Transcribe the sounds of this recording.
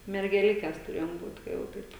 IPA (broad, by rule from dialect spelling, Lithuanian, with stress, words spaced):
mʲɛrʲɡʲɛˈlʲɪkʲɛs tʊˈrʲeːjoːm ˈbuːt kɐ jɛʊ ˈtɐɪp